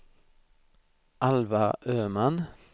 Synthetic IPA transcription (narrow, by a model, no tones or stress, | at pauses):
ʔɑlʋɑʔøːmɑn